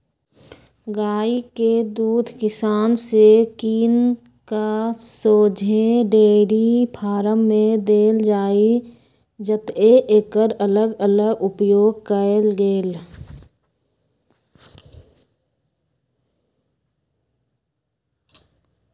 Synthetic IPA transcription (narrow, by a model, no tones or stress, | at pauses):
ɡaːiked̪uːd̪ʱkɪsaːnsekiːn | kasoːd͡ʒʱeɖeːɾipʰaːɾəmːẽd̪eːld͡ʒaːi | d͡ʒət̪eʔeːkəɾələɡələɡʊpjoːɡ̚kəelɡeːl